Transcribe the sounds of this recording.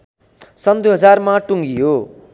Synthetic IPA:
sʌnd̪jɦʌd͡zarmaʈuŋɡijo

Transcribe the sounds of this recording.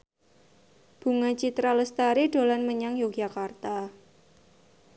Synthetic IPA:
b̥ṳŋat͡ʃit̪ɾaləst̪aɾeɖ̥o̤lanməɲaŋjo̥ʒ̥a̤kart̪a

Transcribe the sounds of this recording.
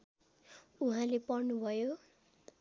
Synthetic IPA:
uɦãlepʌrnubʱʌjo

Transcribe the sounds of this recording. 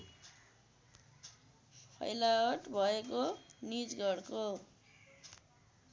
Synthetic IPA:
pʰʌ̰jlaoʈbʱʌekonid͡zɡʌrko

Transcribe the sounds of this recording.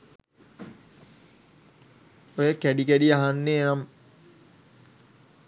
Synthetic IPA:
ojəkæɖikæɖiaɦanːeːnam

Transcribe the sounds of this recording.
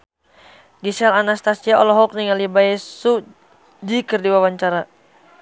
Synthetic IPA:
ɡisalanast̪asiaɔlɔɦɔk̚niŋalibaɛsu | d͡ʒikərdiwawaɲt͡ʃaɾa

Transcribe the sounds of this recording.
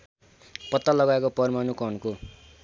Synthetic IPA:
pʌt̪ːalʌɡaekopʌrmanukʌnko

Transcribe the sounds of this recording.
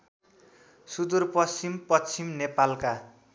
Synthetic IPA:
sud̪urpʌst͡simpʌt͡sʰimnepalka

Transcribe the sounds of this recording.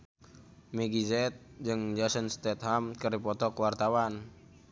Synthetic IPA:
miɡizɛt̪̚d͡ʒɨŋd͡ʒasənst̪ɛt̪̚hamkərdipɔt̪ɔkwart̪awan

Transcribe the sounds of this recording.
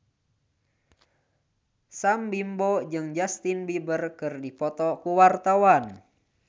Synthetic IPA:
sambimbɔd͡ʒɨŋd͡ʒast̪inbibərkɨrdipɔt̪ɔkuwart̪awan

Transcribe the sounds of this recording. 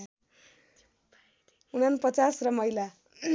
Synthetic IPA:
unanpʌt͡sasrʌmʌijla

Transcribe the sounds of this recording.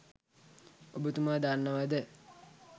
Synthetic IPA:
obət̪umaːd̪anːəʋad̪ə

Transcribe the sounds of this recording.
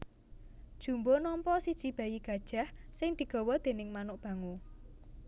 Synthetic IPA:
d̥ʒ̥ṳmbonɔmpɔsid̥ʒ̥i̤b̥a̤jiɡ̥ä̤d̥ʒ̥a̤hsɪŋd̪̥i̤ɡ̥ɔ̤wɔd̪̥e̤nɪŋmanʊʔb̥ä̤ŋo

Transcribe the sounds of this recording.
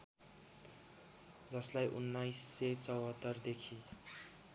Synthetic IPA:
d͡zʌslajʔṵnːajsːet͡sʌwɦʌt̪ːʌrd̪ekʰi

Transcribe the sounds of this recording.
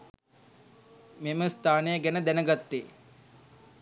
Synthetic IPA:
meməst̪ʰaːnejəɡɛnəd̪ænəɡat̪ːeː

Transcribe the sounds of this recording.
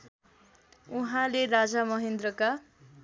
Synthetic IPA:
uɦãlerad͡zamʌɦend̪rʌka

